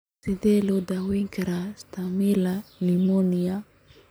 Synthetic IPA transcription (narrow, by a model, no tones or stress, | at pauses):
sedelod̪awiŋkɾast̪amilalimonia